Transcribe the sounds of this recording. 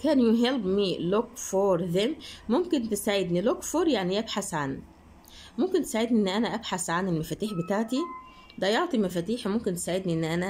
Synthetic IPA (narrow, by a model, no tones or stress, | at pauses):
kæːnjʊɦelbmilokfoɾˤðemmomkent̪esaʕed̪nilokfoɾjaʕniʔæbħasʕan | momkent̪e̥saʕed̪niʔenːʔænæʔæbħasʕanelmæfæːt̪iːħbet̪aʕt̪i | d̪æjoʕt̪ˤimæfæːt̪iːħmomkent̪e̥saʕed̪niʔenːʔænæ